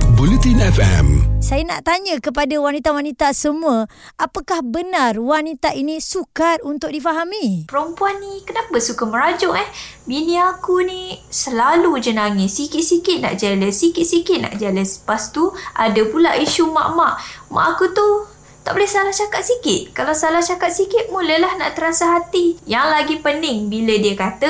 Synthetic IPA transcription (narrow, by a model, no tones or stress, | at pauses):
bolit̪inɛfɛ̰msajana̰ʔt̪aɲəkəp̬adawanit̪awanit̪asəmũa | apakahbənarwanit̪aʔinĩsukat̪̚unt̪ʊk̚difaɦamipəɾumpuanːikənapasukaməɾad͡ʒɔʔɛh | binĩakunisəlalud͡ʒənaŋisikɪt̪̚sikɪt̪̚na̰ʔd͡ʒaləsikɪt̪̚sikɪt̪̚na̰ʔd͡ʒaləspast̪uadəpulaʔiʃuma̰ʔmaʔma̰ʔakut̪u | t̪a̰ʔbolɛhsalaht͡ʃakat̪̚sikɪt̪̚kalawsalaht͡ʃakat̪̚sikɪt̪̚muləlahna̰ʔt̪əɾasaɦat̪ijaŋlaɡipənɪŋbilədiəkat̪ə